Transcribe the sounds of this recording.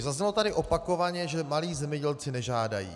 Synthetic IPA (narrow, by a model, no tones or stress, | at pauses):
zazɲɛlo̞t̪adɪʔo̞pako̞vaɲɛʒɛmaliːzɛmɲɛɟɛlt͡sɪnɛʒaːda̰jḭː